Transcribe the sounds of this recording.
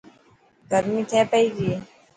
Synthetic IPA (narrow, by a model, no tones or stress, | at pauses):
ɡəɾmiːt̪ʰeːpəiːɡi